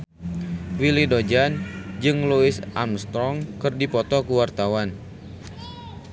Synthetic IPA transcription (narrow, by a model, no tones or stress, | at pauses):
wilidod͡ʒand͡ʒɨŋluɪsʔamst̪ɾɔŋkɨrdipɔt̪ɔkəwart̪awan